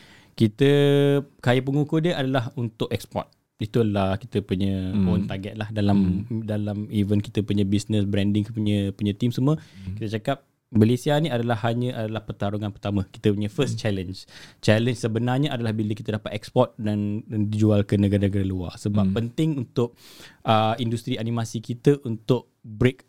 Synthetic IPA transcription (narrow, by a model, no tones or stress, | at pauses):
kit̪əkajəpəŋukudiəʔadalaɦunt̪ʊʔɛkspɔ̰t̪̚ | it̪ualaki̥t̪əpuɲə̃ont̪aɡɛt̪̚lahdalamdalamivənki̥t̪əpuɲə̃bisnəsbɾɛndɪŋpuɲə̃puɲə̃t̪imsəmuəkit̪ət͡ʃakap̚ | məlesianĩadalahaɲə̃ʔadalahpərt̪aɾuŋãnpərt̪amə̃ki̥t̪əpuɲə̃fəst͡ʃɛlənd͡ʒt͡ʃɛlənd͡ʒsəbənarɲə̃ʔadalahbiləki̥t̪ədapat̪ɛkspɔt̪̚danndid͡ʒualkənəɡaɾanɡaɾalua̰rsəbapːənt̪ɪŋunt̪ʊʔ̚ʔəindust̪ɾianimasikit̪əʔunt̪ʊʔ̚ | bɾek̚